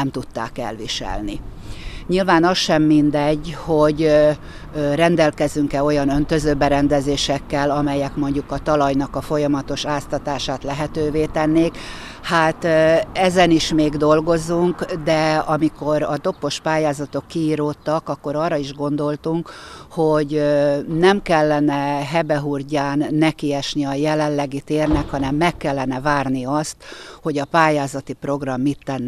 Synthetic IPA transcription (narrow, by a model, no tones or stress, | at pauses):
ɛmt̪ut̪ːa̰ːkɛ̰lʋiʃɛ̰lni | ɲilvaːnɒsʃɛmːind̪ɛɟːho̞ɟ | rɛnd̪ɛlkɛzyŋkɛo̞jɒnønt̪ø̞zøːbɛɾɛnd̪ɛzeːʃɛkːɛlɒmɛjɛkmo̞ɲɟukɒt̪ɒlɒjnɒkɒfo̞jɒmɒt̪o̞ʃaːst̪ɒt̪aːʃaːt̪lɛɦɛt̪øːveːt̪ɛnːeːk | haːt̪ɛzɛniʃmeːɡd̪o̞lɡo̞zuŋkd̪ɛɒmiko̞ɾɒd̪o̞pːo̞ʃpaːjaːzɒt̪o̞kːiiːɾoːt̪ːɒkɒkːo̞ɾɒːrːɒiʒɡo̞nd̪o̞lt̪uŋkho̞ɟnɛmkɛlːɛnɛɦɛbɛɦurɟaːnːɛkiɛʃniɒjɛlɛlːɛɡit̪eːrnɛkhɒnɛmːɛkːɛlːɛnɛvaːrniɒst̪ho̞ɟɒpaːjaːzɒt̪ipro̞ɡrɒmːit̪ːɛnː